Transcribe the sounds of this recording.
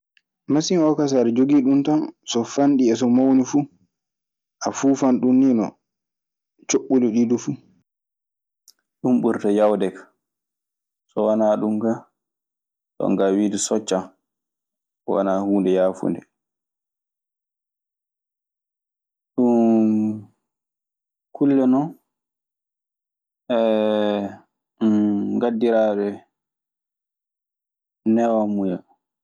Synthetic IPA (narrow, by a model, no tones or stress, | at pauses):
masiŋɔkas̬aɾɛd͡ʒoɡiɗuntɔnsɔfanɗiɛs̬ɔmawnifuː | ʔafuːfanɗunːinɔ̰ | t͡ʃoɓːulɔɗidufuː | ɗumɓuɾtajawdɛkḁ | sɔwanaːɗumɡa | tɔ̰ŋɡawiːdusɔt͡ʃːa | wa̰nahuːndɛjaːfṵndɛ | ɗun | kʰulːɛnɔn | ɛ | ɡadːiɾaːɗɛ | nɛwamuja